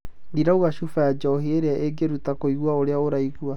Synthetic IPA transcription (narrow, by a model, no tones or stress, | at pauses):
ndiɾauɣaʃufajad͡ʒɔɦeeɾeaʔeɡeɾutakoiɣwaoɾeaoɾaiɣua